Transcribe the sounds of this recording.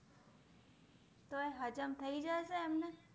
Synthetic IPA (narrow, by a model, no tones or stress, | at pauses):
t̪oeɦəd͡ʒəmt̪ʰəid͡ʒaeʃeːmne